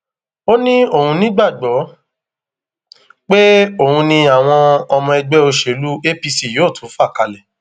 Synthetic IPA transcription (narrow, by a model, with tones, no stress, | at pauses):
o˦nĩ˦o˦˨hũ˧nĩ˦ɡ͡ba˦˨ɡ͡bɔ˨˦ | k͡pe˦o˦˨hũ˧nĩ˧a˨w̃ɔ̃˧ɔ˧mɔ̃˧ɛ˧ɡ͡bɛ˦o˧ʃe˨lu˦e˦pi˧si˦˨joː˨˦˨tʰũ˨˦fa˦˨ka˧˨lɛ˨